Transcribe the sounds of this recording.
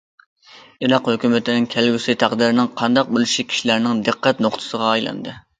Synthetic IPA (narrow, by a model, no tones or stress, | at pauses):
iɾɑqhøkʲymɪt̪ʰɪnɪŋkʲʰælɡʲysɪt̪ʰæqd̪ɪɾɪnɪŋqʰɑnd̪ɑq̚bolˠuʃikʲʰi̥ʃilæɾnɪŋd̪ɨqːæt̪noχt̪ʰɨ̥səʁɑːjlˠɑ̰nd̪ɨ